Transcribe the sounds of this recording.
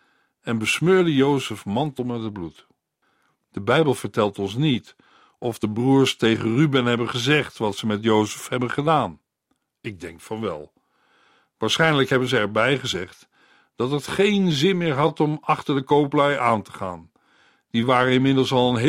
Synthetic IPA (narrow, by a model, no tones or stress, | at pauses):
ɛnbəsmøːɹdəjowsəfmɑntl̩ˠmɛtɦəd̚blut | d̥əbɛjbəlˠv̥əɹtɛlˠtɔnsnit | ɔvdəbruːɹstejχənrybɛnɦɛbənχəzɛχtʋɑtsəmɛtjowsəfɦɛbənχədaːn | ɪɡ̚dɛŋkfɑnʋɛ̰lˠ | ʋaːɹsχɛjnləkɦɛbənzəɛɹbɛjχəzɛχt | d̥ɑtətχejnzɪnmɪːɹɦɑtɔmɑχtəɹdəkowplɛjʔaːntə̥χa̰ːn | d̥iʋaːrəɪnmɪdəlˠsɑlˠənɦ